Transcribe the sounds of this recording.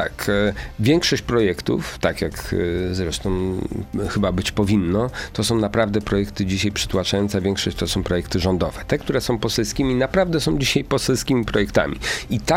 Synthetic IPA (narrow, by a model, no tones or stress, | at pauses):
t̪akvʲjɛŋkʂɔɕt͡ɕpɾɔjɛkt̪ṵft̪akʲjakzɾɛʂt̪ɔ̃w̃xɘbabɘt͡ɕpɔvʲinːɔt̪ɔsɔ̃w̃napɾavd̪ɛpɾɔjɛkt̪ɘd͡ʑiɕajpʂɘ̥t̪wat͡ʂajɔnt̪savʲɛŋkʂɔɕt͡ɕt̪ɔsɔ̃w̃pɾɔjɛkt̪ɘʐɔnd̪ɔvɛt̪ɛk̚t̪uɾɛsɔ̃w̃pɔsɛlskʲimʲinapɾavd̪ɛsɔ̃w̃d͡ʑiɕajpɔsɛlskʲimʲipɾɔjɛkt̪a̰mʲḭit̪a